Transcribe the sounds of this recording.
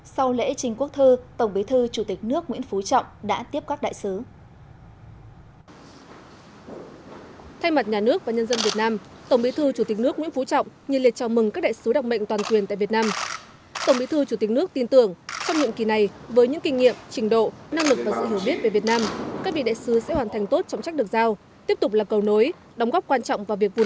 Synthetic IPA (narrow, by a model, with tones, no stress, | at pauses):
sa˧wlḛ˧˥t͡ɕï˨˩ŋ̟ku˦˥ək̚t̪ʰɨ˧t̪ə˧˩wŋ͡mɓi˨˦t̪ʰɨ˧t͡ɕu˧˩t̪ï˨˩k̟̚nɨ˦˥ək̚ŋwḭ˧˥ənfu˨˦t͡ɕɔ̰˧˨wŋ͡mɗa̰ː˧˥t̪i˦˥əp̚kaː˦˥k̚ɗa̰ː˧˨jsɨ˨˦ | t̪ʰa˧jma˨˩t̚ɲaː˨˩nɨ˦˥ək̚vaː˨˩ɲə˧nzə˧nvi˨˩ət̚naː˧mt̪ə˧˩ŋ͡mɓi˨˦t̪ʰɨ˧t͡ɕu˧˩t̪i˨˩k̟̚nɨ˦˥ək̚ŋw̰ənfu˨˦t͡ɕɔ̰˧˨wŋ͡mɲɨ˨˩li˨˩ət̚t͡ɕɔ˧˩mɨ˨˩ŋkaː˦˥k̚ɗa̰ː˧˨sɨ˨˦ɗa˨˩k͡p̚ɓə̰˧˨jŋ̟t̪waː˨˩nkwi˨˩ənt̪a̰˧˨vi˨˩ət̚naː˧m | t̪ə˧˩ŋ͡mɓḭ˧˥˦t̪ʰɨ˧t͡ɕu˧˩t̪ï˨˩nɨ˦˥ək̚t̪i˧nt̪ɨ˧˩əŋt͡ɕɔ˧wŋ͡mɲɨ̰˧˨ŋki˨˩na˨˩jvəː˨˦jɲɨ̰˧˥ŋkï˧ŋ̟ːḭ˧˨əmt͡ɕï˨˩˦ŋ̟ɗo̰˧˨na˧ŋlɨ˨˩k̚vaː˨˩zɨ̰˧˨ɦi˧˩əwɓi˦˥t̚ve˨˩vi˨˩ət̚naː˧mkaː˦˥k̚vḭ˧˨ɗa̰ː˧˨jsɨ˨˦sɛ̰˧˥hwaː˨˩nt̪ʰjŋ̟t̪o˦˥t̚t͡ɕɔ˧wŋ͡mt͡ɕa˦˥k̚ɨ˨˩ək̚zaː˧w | t̪i˦˥əp̚t̪ʊ˨˩k͡p̚laː˨˩kə˨˩wno˨˦j | ɗɔ˨˦ŋ͡mɣɔ˦˥p̚kwaː˧nt͡ɕɔ̰˧˨wŋ͡mvaː˨˩vi˨˩ək̚vṵ˨˩